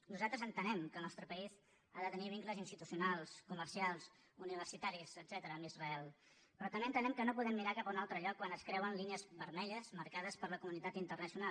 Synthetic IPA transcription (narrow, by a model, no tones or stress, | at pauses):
nuzalˠt̪ɾəzənt̪ənɛmkəlˠnɔst̪ɾəpəiz | aðət̪əniβiŋkləzinst̪it̪usiunalˠskuməɾsialˠs | uniβ̞ərsit̪aɾizəd̪zɛt̪əɾəːmizrəɛlˠ | pɾɔnənɛnt̪ənɛmkənopuðɛmːiɾakapunalˠt̪ɾəʎɔkːwanəskɾɛwənliniəzβəɾmɛʎəzməɾkaðəspəɾləkumunit̪at̪int̪ərnəsiunal